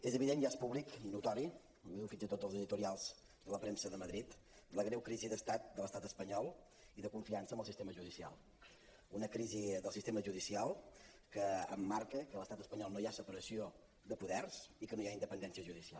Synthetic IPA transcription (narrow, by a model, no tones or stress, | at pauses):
ezəβiðenʒaspuβliknut̪ɔɾi | wiðuwfinzət̪od̪zəlˠzəðit̪uɾialˠz̥ | d̪ələpɾemsəðəməðɾit̪ | d̪ələɣɾɛwkɾiziðəst̪at̪̚d̪ələst̪at̪əspəɲɔlˠ | iðəkuɱfiansəmbəlˠsist̪eməʒuðisia̰lˠ | unəkɾiziðəlˠsist̪eməʒuðisialˠ | kəːmːaɾkəkələst̪at̪əspəɲɔlˠnojasəpəɾəsio | d̪əpuðɛrz̥ikənojaind̪əpənd̪ɛnsiəʒuðisia̰l